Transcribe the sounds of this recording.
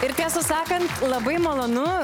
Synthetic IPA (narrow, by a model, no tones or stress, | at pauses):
ɪɾt̪ʲisʊsɑːkɐnt̪lˠɐbɐɪmolˠoːnʊ